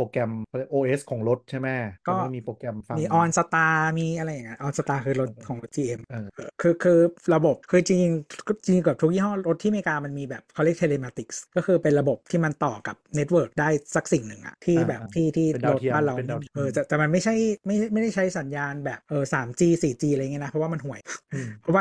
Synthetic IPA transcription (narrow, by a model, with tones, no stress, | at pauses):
oː˧kɛ˧m˧˩ʔoː˧ʔeː˦˥skʰɔː˩˦ŋɾo˦˥t̪̚t͡ɕʰa˥˩jmɛ˦˥˩kɔː˦˥˩miː˧poː˧kɛ˧mfa˧miː˧ʔɔː˧nsa˧t̪aː˧miː˧ʔa˧ɾa˧jːa˨˩ŋːa˦˥nʔɔː˧nsa˧t̪aː˧kʰɯː˧ɾo˦˥t̪̚kʰɔː˨˦o˦˥t̪̚t͡ɕiː˧˩ʔe˧mʔːʔɤː˧kʰɯː˧kʰɯː˧ɾa˧bo˨˩p̚kʰɯː˧t͡ɕi˧ŋt͡ɕi˧ŋʰ˥t͡ɕi˧ŋ˧kɤː˨˩p̚t̪ʰu˦˥kjiː˥˩ɦɔː˥˩ɾo˦˥t̪ʰːiː˥˩meː˧kaː˧ma˧nmiː˧bɛː˨˩p̚kʰaː˧˩˨li˥˩t̪ʰe˧leː˧maː˧t̪i˨˦˩k̚skɔ˥˩kʰɯː˧pe˧nɾa˧bo˨˩p̚t̪ʰiː˥˩ma˧nt̪ɔː˨˩ka˨˩p̚ne˦t̪̚wɤː˨˩k̚daː˥˩jsa˨˩k̚si˨˩ŋnɯ˨˩ŋʔa̰˨˩t̪ʰiː˥˩bɛː˨˩p̚t̪ʰiː˥˩t̪ʰiː˥˩ɾo˦˥t̪a˥˩la˧˩˧ʔɤː˧ta˨˩t̪ɛː˨˩ma˧nma˥˩jt͡ɕʰa˥˩jma˥˩jjma˥˩jda˥˩jt͡ɕʰa˦˥jsa˩˦njaː˧nbɛː˨˩p̚ʔɤː˨˩saː˩˦mt͡ɕiː˧siː˨˩t͡ɕiː˧ʔŋ˦˥˧na˦˥pʰɔ˦waː˥˩ma˧nɦu˨˩əjpʰɔ˦˥waː˥